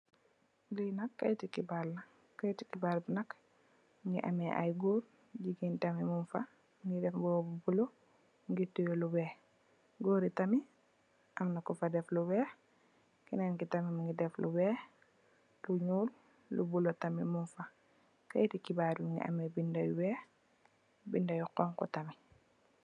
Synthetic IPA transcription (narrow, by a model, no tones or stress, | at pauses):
linakːa̰jtikibalːa | kːajtikibaːɾbunak | ŋɡiʔa̰meʔa̰jɡoːɾ | ɟiɡintamimunfa | ŋɡidɛfboːbubulo | ŋɡitujolubɛː | ɡoːɾitami | ʔamnakufadɛflubɛːx | kinankitamimuŋɡidɛflubɛː | luɲuːl | lṵbulotamimunfa | ka̰jtikibaːɾmuŋɡḭʔa̰mebindajuwɛːx | bindajuqɔːŋkɔ̰tami